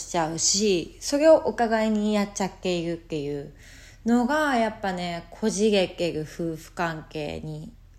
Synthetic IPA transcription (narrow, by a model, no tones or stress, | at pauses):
i̥t͡ɕaɯ̟ɕiso̞ɾe̞o̞ʔokaɡaiɲ̟ijat͡ɕat̪ːe̞iɾɯ̟t̪ːe̞jɯ̟ː | no̞ɡajapːane̞kʰo̞ʑiɡe̞kːe̞ɾɯ̟ɸɯ̟ːɸɯ̟̥kãŋke̞̰ːɲ̟i